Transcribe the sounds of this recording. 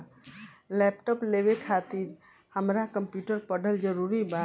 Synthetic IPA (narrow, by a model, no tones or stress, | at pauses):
lɛːpʈɔːpleːʋekʰaːt̪ɪɾ | həmɾakəmpjuːʈəɾpəɖəld͡ʒəɾuːɾibaː